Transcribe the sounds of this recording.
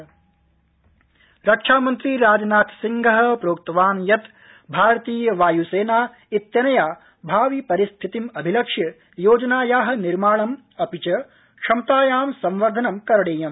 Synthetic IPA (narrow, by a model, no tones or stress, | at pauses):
ɾɐkʂaːmɐnt̪ɾiɾaːd͡ʒɐnaːt̪siŋɡʱɐɦɐ̆pɾoːk̚t̪ɐʋaːnjɐt̪ | bʱaːɾɐt̪iːjɐʋaːjuseːnaː | it̪jɐnɐjaː | bʱaːʋipɐɾist̪ʰit̪imɐbʱilɐkʂjɐ | joːd͡ʒɐnaːjaːɦɐ̆niɾmaːɭɐm | ɐpit͡ʃɐ | kʂɐmt̪aːjaːmsɐ̃mʋɐɾd̪ʱɐnɐmkɐɾɐɽeːjɐm